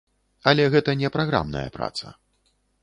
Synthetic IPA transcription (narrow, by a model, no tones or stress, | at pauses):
ɐlʲɛɣɛt̪ɐnʲɛpɾaɣɾa̰mnɐ̰jɐ̰pɾa̰t̪sɐ̰